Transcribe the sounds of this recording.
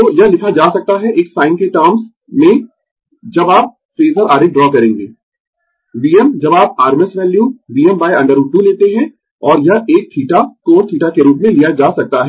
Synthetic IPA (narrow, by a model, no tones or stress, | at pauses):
t̪ojɐɦlɪkʰad͡ʒaːsɐk̚t̪aɦɛʔeːksaːɪnkeʈaːɾms | mẽ | d͡ʒɐbaːp̚ | fɾeːzəɾaːɾɪk̚ɖɾɔːkɐɾẽːŋɡeː | ʋiːɛmd͡ʒɐbaːp̚aːɾmɪsʋɛːljuʋiːɛmbaːjɐ̃ɳɖəɾuːʈːuleːt̪eɦɛ̃ | ɔːɾjɐɦʔeːk̚t̪ʰiːʈakoːt̪ʰiːʈakeɾuːpmẽlijad͡ʒaːsɐk̚t̪aɦɛ